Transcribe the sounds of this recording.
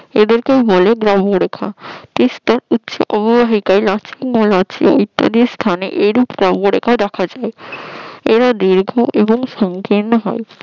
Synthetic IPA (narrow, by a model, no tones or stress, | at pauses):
ed̪eɾkejboleɡɾaboɾekʰa̰t̪ist̪aɾutːʃʰo̰ʔɔbobaɦikaelat͡ɕʰimolat͡ɕʰio̰jt̪ːa̰d̪iɾst̪ʰanḛʔejɾupɡɾaboɾḛkʰad̪ɛkʰad͡ʑae | eɾad̪iɾɡʱoʔeboŋʃɔŋkiɾnoɦɔ̰e